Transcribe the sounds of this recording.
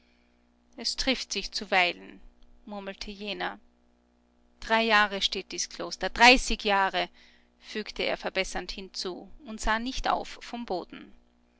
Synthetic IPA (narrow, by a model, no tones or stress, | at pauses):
ʔɛstʁ̥ɪftz̥ɪçt͡suvaɪlənmʊɐml̩tʰəjeːnɐ | d̥ʁaɪjaːʁəʃteːt̚d̥iskʰl̥oːstɐd̥ʁaɪsɪkjaːʁə | fyːktəḛːɐfɛɐbɛsɐnthɪnt͡suːʊntz̥aːnɪçtʔa̰ʊfːɔmboːdn̩